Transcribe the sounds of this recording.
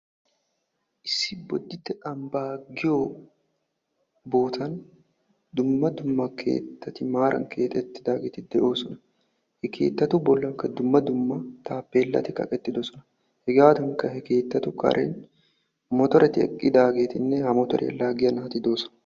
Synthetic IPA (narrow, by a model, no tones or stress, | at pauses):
ʔɪsɪbɔd̪ːɪt̪ːɛᶑɐmbaːɡɪjoː | bo̞ːt̪ʰɐn | d̪ʊmːɐd̪ʊmːɐkʰḛːt̪ːɐt̪ɪmaːɾʔɐ̰ŋkʰeːt̪ʼɛt̪ːɪd̪aːɡɛt̪ɪd̪ɛʔo̞ːsɔnɐ | hɛkʰe̞̰ːt̪ːɐt̪ubɔlːɐŋkɐd̪ʊmːɐd̪ʊmːɐt̪aːpːe̞ːlːɐ̰t̪ɪkɐ̰kʼɛt̪ːɪd̪ɔsɔnɐ | hɛɡaːt̪ɐŋkɐhɛke̞ːt̪ːɐt̪ukʼɐ̰ɾʔḛn | mɔt̪ɔɾʔɛt̪ːɪɛ̰kʼːɪd̪aːɡeːt̪ɪnːɛhɐmɔt̪ɔɾʔɛ̰ɛ̰lːaːɡɪjɐnɐɐt̪ɪd̪o̞ːsɔ̥nɐ